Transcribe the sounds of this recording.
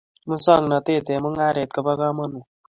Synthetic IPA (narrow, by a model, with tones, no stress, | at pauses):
mũ˦sʌŋnʌt̪e˦t̪e˨mu˦ŋa˦ɾe˨t̪̚kabʌɡa˦mʌ˦nũ˨